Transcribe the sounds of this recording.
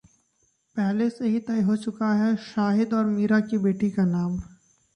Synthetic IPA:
pɛɦleseɦit̪ɐiɦot͡ʃʊkaɦɛʃaːɦɪd̪ɔːɾmiːɾakibeːʈikanaːm

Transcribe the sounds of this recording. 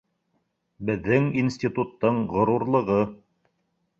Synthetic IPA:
bɘ̆ðːɘŋinsʲt̪ʲit̪ut̪ːɤɴʁŏɾuɾlˠɤ̆ʁɤ

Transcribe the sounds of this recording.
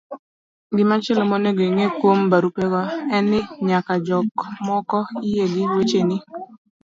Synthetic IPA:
ɡɪmat͡ʃɛlɔmoneɡoiŋekwombaɾupɛɡɔɛnɪɲakad͡ʒɔkmɔkɔijeɡiwet͡ʃeni

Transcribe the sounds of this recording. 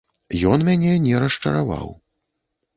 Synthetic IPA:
jɔnmʲanʲɛnʲɛɾɐʂt͡ʂɐ̰ɾava̰w

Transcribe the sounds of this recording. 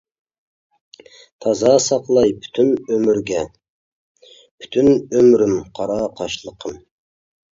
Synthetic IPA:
t̪ʰɑzɑsɑqlˠɑjpʰy̥t̪ʰynømyɾɡʲɛ | pʰy̥t̪ʰynømɾymqʰɑɾɑqʰɑʃlˠəqʰəm

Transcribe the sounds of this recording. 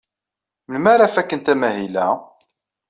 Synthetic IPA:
mənmæɾæfækːənt̪æmæɦilæ

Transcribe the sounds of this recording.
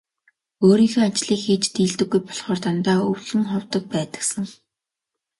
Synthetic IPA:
oːɾiːxeːat͡ɕɮiːkxiːt͡ɕt̪iːɮt̪ɘ̆ɡːujpɔ̥ɮχɔːrt̪ant̪aːɵwɮɘ̆ŋχɔwt̪ə̆k̚pæːt̪ə̆ksə̆ŋ

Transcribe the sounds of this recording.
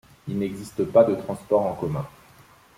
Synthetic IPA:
ilnɛɡzist̪əpad̪ət̪χɑ̃spɔʁɑ̃kɔmɛ̃

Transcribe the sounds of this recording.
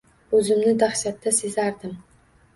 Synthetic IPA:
ɵzɪmnɪd̪aχʃat̪ːasezaɾd̪ɪm

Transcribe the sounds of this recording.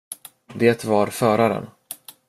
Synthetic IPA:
d̪eːt̪vaɾfœːɾaɾə̰n

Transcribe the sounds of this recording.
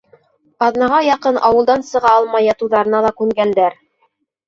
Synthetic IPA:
qɑðnɑʁɑjɑqɤnʔɑwɤ̆lˠd̪ɑnsɤ̆ʁɑɑlˠmɑjɑt̪uðɑɾɤ̆nɑlˠɑkʉŋɡænd̪æɾ

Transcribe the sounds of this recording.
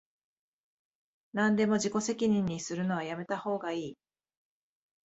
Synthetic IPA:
nãnd̪e̞mo̞ʑiko̞se̞kʲiɲ̟ĩɲ̟ːisɨɾɯ̟no̞βajame̞t̪aho̞ːɡaiː

